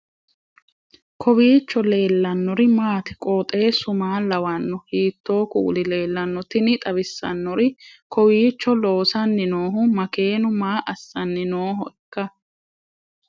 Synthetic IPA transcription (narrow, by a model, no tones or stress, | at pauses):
kʰɔbiːt͡ʃːɔle̞ːlːɐnːɔɾɪmaːt̪ɪ̥kʼoːt̪ʼe̞ːsʊmaːlɐwɐnːɔhiːt̪ːoːkṵːlɪle̞ːlːɐnːɔt̪ɪnɪt̪ʼɐbɪsːɐ̰nːɔɾɪkɔwiːt͡ʃːɔlo̞ːsɐnːɪnoːɦʊmɐke̞ːnʊmaːʔɐsːɐnːɪnoːɦʊɛkːɐ